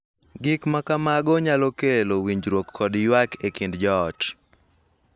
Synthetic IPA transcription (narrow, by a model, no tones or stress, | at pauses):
ɡɪkmakamaɡɔɲalokelowiɲd͡ʒɾwokːʰɔdjwakekindd͡ʒɔːt